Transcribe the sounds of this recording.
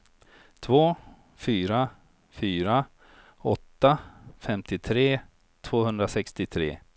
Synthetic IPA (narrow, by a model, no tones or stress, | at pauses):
t̪ʰvoː | fyːɾa | fyːɾa | ɔt̪ːafɛmt̪ɪt̪ʰɾeː | t̪ʰv̥oːhɵnd̪ɾasɛkst̪ɪt̪ʰɾḛː